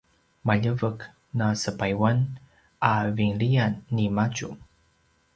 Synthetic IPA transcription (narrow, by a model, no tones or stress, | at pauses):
maʎəvək | nasəpajwan | ʔaviŋɭianːimat͡ʃṵm